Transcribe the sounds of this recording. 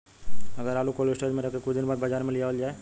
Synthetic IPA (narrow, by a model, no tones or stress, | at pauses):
ɐɡəɾaːlukoːlɪsʈeːd͡ʒmẽɾɐkːekʊt͡ʃd̪ɪnbaːd̪bɐd͡ʒaːɾmẽlɪjaəld͡ʒaːe